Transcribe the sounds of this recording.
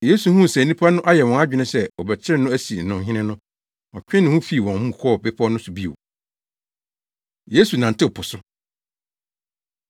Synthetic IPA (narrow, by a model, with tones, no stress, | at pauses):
je˦su˨hũ˦˨sɛ˨nĩ˦pʰa˦nʊ̃˦ʔa˦jɛ˨wɔ̃˨a˦d͡ʑᶣɪ˨nɪ̃˦sɛ˦ɔ˨bɛ˨t͡ɕʰɪ˦ɾɪ˦nːʊ̃˦æ˦si˨n̩˨nʊ̃˨ɦɪ̃˦nɪ̃˦nʊ̃˦ | ɔ̃˨t͡ɕᶣɪ̃˦nɪ̃˦hũ˦fi˦˨wɔ̃˨hũ˦˨kʰɔː˦˨be˦pʰɔ˦nʊ̃˦sʊ˨bi˦ḛ˨o˨ | je˦su˨nã˨n˨tʰɪ˦˨pʰʊ˨sʊ˦